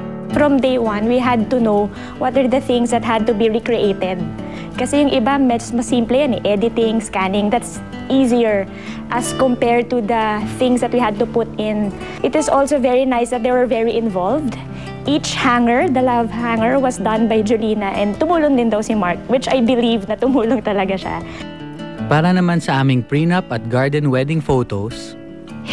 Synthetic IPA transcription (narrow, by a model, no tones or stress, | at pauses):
fɹɔ̃md̪ejwɐ̃nwiɦad̪̚t̪ʊnow | wɔt̪ɐɹd̪ɐθɪ̃ŋsd̪ɐt̪̚hɐd̪̚t̪ʊbiɹikɹiʔejt̪ɛd̪̚ | kɐsɛjʊŋʔɪbamɛd͡ʒsmɐsːĩmplɛjanɛʔɛd̪ɪt̪ɪ̃ŋskænɪŋd̪at̪s | ʔiːziəɹ | ʔɐskɔ̃mpɛɹd̪̚t̪ud̪ɐθɪ̃ŋsd̪ɐt̪̚wihɐd̪̚t̪ʊpʊt̪ɪ̃n | ʔɪt̪ɪsʔolsovɛɹinajsd̪ɐt̪̚d̪ewɛɹvɛɹiʔɪ̃nvalvd̪ | ʔit͡ʃhaŋəɹd̪ɐlɐvhaŋəɹwɐsd̪ɐ̃nbajd͡ʒʊliːnɐʔɛ̃nd̪̚t̪ʊmuːloŋd̪ɪnd̪awsɪmaɹkwɪt͡ʃajbɪlivnɐt̪ʊmuːloŋt̪ɐlɐɡaʃa̰ | paːɾɐnɐmansɐʔaːmɪŋpɹinɐpɐt̪̚ɡaɹd̪ɛnwɛd̪ɪŋfot̪os